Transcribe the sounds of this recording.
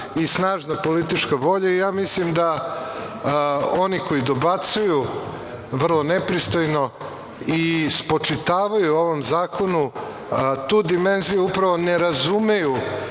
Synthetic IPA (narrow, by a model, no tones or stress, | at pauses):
isnaːʒnapolit̪it͡ʂkaʋo̞ʎaijaːmislimd̪a | o̞niko̞jid̪obat̪suju | ʋr̩lˠonepɾist̪ojno̞ | ispot͡ʂit̪aːʋajuoʋo̞mzaːko̞nu | t̪uːd̪ime̞nzijuupɾaʋo̞neɾazume̞ju